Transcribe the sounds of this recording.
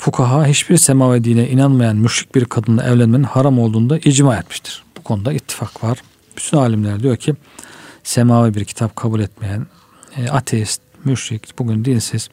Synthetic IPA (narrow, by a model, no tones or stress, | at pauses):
fukʰaɦaɦit͡ʃbiɾsemaːvɛd̪iːnʲɛʔinanmajanmyʃɾic̚biɾkʰad̪ɯnlˠa̰ʔɛvlʲænmeninhaɾamo̞lˠd̪uːnd̪aʔid͡ʒmaɛt̪miʃt̪ʰi̥ɾ̥b̥ukʰo̞nud̪ait̪ʰːi̥fakvaɾ̥ | b̥yt̪ʰynaːlʲimlʲæɾɛd̪ijo̞ɾcʰi | semaːvɛbiɾcʰi̥t̪ʰapkʰabulʲɛt̪mejæn | at̪ʰɛst̪̚myʃɾicb̥uɟynd̪insiz̥